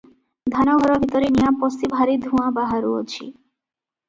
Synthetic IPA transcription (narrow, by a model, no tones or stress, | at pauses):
d̪ʱanɔɡʱɔɾɔbʱit̪ɔɾenijapɔst̪ibʱaɾid̪ʱuãbaɦaɾuo̰t͡ɕʰḭ